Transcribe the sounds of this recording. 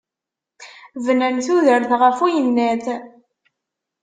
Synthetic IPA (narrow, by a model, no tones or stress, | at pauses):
vnənθuðəɾθʁəfujənːæθ